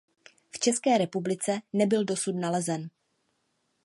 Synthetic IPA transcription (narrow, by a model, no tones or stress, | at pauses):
ft͡ʃɛskɛːɾɛpublɪt͡sɛnɛbɪldo̞sut̪nalɛzɛn